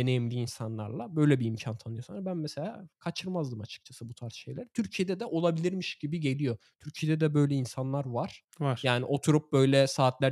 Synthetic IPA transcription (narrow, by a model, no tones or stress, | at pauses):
enejimlʲiːnsanlˠa̰ɾlˠabø̞jlʲɛbiːmcʰant̪ʰanɯjo̞sanɾabænmɛse̞lʲa̰ːkʰat͡ʃʰɯɾmazd̪ɯmat͡ʃʰɯ̥k̚t͡ʃʰasɯbut̪ʰaɾsʃe̞jlʲæɾt̪ʰyɾcʰijed̪ɛd̪ɛʔo̞lˠabilʲiɾmiʃɟibiɟe̞lʲijo̞ | t̪ʰyɾcʰijed̪ɛd̪ɛbø̞jlʲɛinsanlˠaɾvaɾ̥ | aɾjaːnḭʔo̞t̪ʰuɾup̚bø̞jlʲɛsaːt̪lʲæ